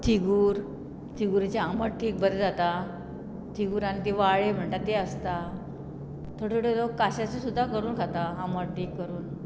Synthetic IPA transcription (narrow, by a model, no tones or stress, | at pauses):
t̪ʰiɡuːɾ | t̪ʰiɡuɾt͡ɕaaməɾʈʰiːk̚bəɾd͡zat̪a | t̪ʰiɡuːɾanit̪iʋaɭem̤əɳʈat̪eəst̪a | t̪ʰoɽeɽelokːaɕat͡sesud̪ʱːakəɾuːnɡʱat̪aaməɽʈʰiːkːəɾuːn